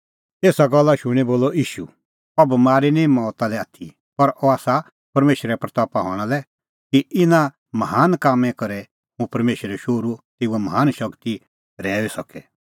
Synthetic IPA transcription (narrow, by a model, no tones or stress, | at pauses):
eːsaɡɔlːaʃʊɽ̃iboːlɔʔiːʃṵ | ɔbɐmaːɾinĩmɔːt̪alɛaːt̪ʰi | pɐɾʔɔaːsa | pɐɾmeːʃɾɛpɾɐt̪ɔːpaɦɔ̰ːɽ̃alɛ | kiʔɪnã | mɐɦaːnkaːmɛ̃kɐɾɛ | ɦũpɐɾmeːʃəɾɛʃoːɾut̪eːuɛmɐɦaːnʃɐkt̪i | ɾɛːesɐkɛ